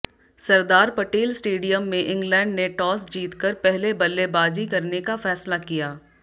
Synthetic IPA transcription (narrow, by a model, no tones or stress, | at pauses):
sɐɾd̪aːɾpɐʈeːlsʈeːɖijəmːẽʔɪ̃ŋɡlɛ̃ːɳɖneʈɔːsd͡ʒiːt̪kɐɾpɛɦlebɐlːebaːd͡ʒikɐɾnekafɛːslakijaː